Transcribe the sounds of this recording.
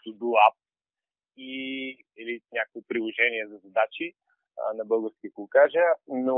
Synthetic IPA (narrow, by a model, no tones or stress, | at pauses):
t̪ud̪uap̚ | i | ɛlinʲakkipɾilˠoʒɛniɛzɐzɐd̪at͡ʃḭ | nɐbɤlˠɡəɾfskʲiəkukaʒəno